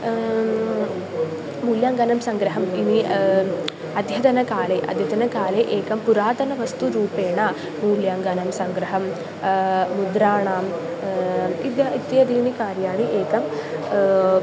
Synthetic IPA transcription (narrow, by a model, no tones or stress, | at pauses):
muːljaːŋɡɐnɐmsɐŋɡɾɐɦɐmini | ɐd̪ʱjɐt̪ɐnɐkaːleːʔɐ̰d̪ʱjɐt̪ɐnɐkaːleʔeːkɐmpuɾaːt̪ɐnɐʋɐst̪uɾuːpeːɳaː | muːljaːŋɡɐnɐmsɐŋɡɾɐɦɐmː | ud̪ɾaːɳaːm | id̪jɐit̪jɐd̪iːnikaːɾjaːɳiʔeːkɐm